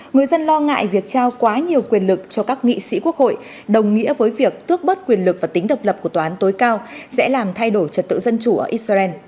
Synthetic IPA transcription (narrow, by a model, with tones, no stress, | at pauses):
ŋɨ˨˩əjzə˧nlɔ˧ŋa̰ː˧˨jvi˨˩ək̚t͡ɕaː˧wkwaː˨˦ɲi˨˩əwkwi˨˩ənlɨ˨˩k̚t͡ɕɔ˧kaː˦˥k̚ŋḭ˧˨sḭ˧˥ku˦˥ək̚ho̰˧˨j | ɗə˨˩wŋ͡mŋḭ˧˥əvəː˨˦jvi˨˩ək̚t̪ɨ˦˥ək̚ɓə˦˥t̚kwi˨˩ənlɨ˨˩k̚vaː˨˩t̪ï˨˦ŋ̟ɗə˨˩wk͡p̚lə˨˩p̚kət̪waː˨aː˨˦nt̪o˨˦jkaː˧wsɛ̰˧˥laː˨˩mt̪ʰa˧jɗo˧˩jt͡ɕə˨˩t̚t̪ɨ̰˧˨zə˧nt͡ɕu˧˩ʔəː˧˩ʔi˦˥t̚sa˧ɛ˧n